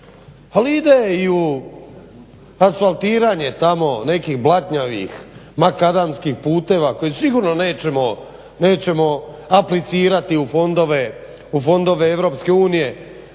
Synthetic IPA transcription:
paliid̪eiu | asfalˠt̪iːɾaːɲe̞t̪amo̞ne̞kiːxblˠat̪ɲaʋḭxmakad̪amskixpuːt̪e̞ʋako̞jesiɡuːɾnoneːt͡ɕemo | ne̞ːt͡ɕe̞mo̞ | aplit̪siːɾat̪iufo̞nd̪oʋe | ufo̞nd̪o̞ʋeeʋɾo̞ːpske̞uːnije̞

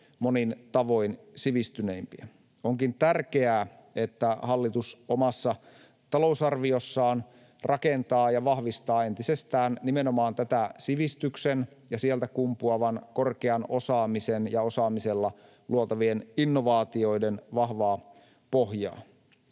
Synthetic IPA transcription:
monint̪ɑʋo̞insiʋist̪yne̞impiæ | oŋkint̪ærk̟eæː | e̞t̪ːæhɑlːit̪usomɑsːɑ | t̪ɑlousɑrʋio̞sːɑːn | rʔɑkent̪ɑːjɑʋɑhʋist̪ɑːent̪isest̪æːnnime̞nomɑːnt̪æt̪æsiʋist̪yksen | jɑsielt̪ækumpuɑʋɑnko̞rkeɑno̞sɑːmisenjɑo̞sɑːmise̞lːɑ | luot̪ɑʋieninːoʋɑːt̪io̞idenʋɑhʋɑː | poɦjɑ̰ː

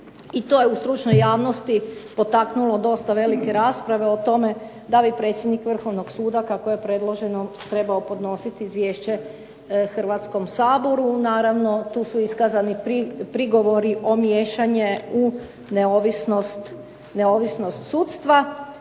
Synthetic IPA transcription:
it̪o̞ːjeust̪ɾut͡ʃnojaːʋno̞st̪ipo̞t̪aknulˠo̞d̪o̞st̪aʋe̞like̞ɾaːspɾaʋe̞ot̪o̞me̞ | d̪abipɾe̞t̪sjed̪nikʋr̩xo̞ʋnoɡsuːd̪akakoje̞pɾe̞d̪lˠoʒe̞not̪ɾe̞baopo̞d̪no̞sit̪iːzʋje̞ːʃt͡ɕe̞ | xr̩ʋat̪sko̞msaːbo̞ɾunaːɾaʋno̞t̪uːsuiskazaniipɾiɡo̞ʋo̞ɾiʔo̞mje̞ːʃaɲeu | neoʋisnost̪ | neoʋisnost̪suːt̪st̪ʋa

